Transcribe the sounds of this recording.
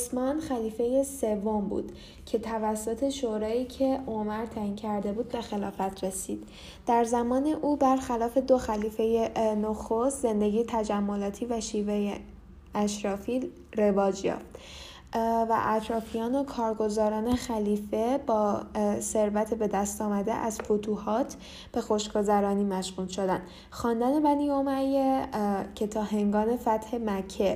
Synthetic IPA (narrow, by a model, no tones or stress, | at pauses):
osmɒːnxæliːfe̞je̞se̞vːo̞mbṵːd̪̥ | cʰe̞t̪ʰævæsːo̞t̪ʰe̞ʃoɾɒːiːcʰe̞omæɾt̪ʰæincʰæɾd̪e̞buːd̪̚be̞xelɒːfæt̪ʰɾe̞siːd̪̥ | d̪̥æɾzæmɒːne̞ʔuːbæɾxælɒːfe̞d̪o̞xæliːfe̞jenoxost̪ze̞nd̪e̞ɟiːjet̪ʰæd͡ʒæmːo̞lɒːt̪ʰiːvæʃiːveje | æʃɾɒːfiː | ɾe̞vɒːd͡ʒjɒ̰ːft̪ | væ̰ʔæt̪ʰɾɒːfijɒːno̞kʰɒːɾɡo̞zɒːɾɒːne̞xæliːfe̞bɒːse̞ɾvæt̪ʰebe̞d̪æst̪ɒːmæd̪e̞̰ʔæz̥fot̪ʰuːhɒːt̪ʰ | b̥e̞xo̞ʃɡo̞zæɾɒːniːmæʃɣuːlʃo̞d̪æn | xɒːnd̪æne̞bæniːomæjecʰe̞t̪ʰɒːɦe̞ŋɡɒːne̞fæt̪he̞mæcʰːe̞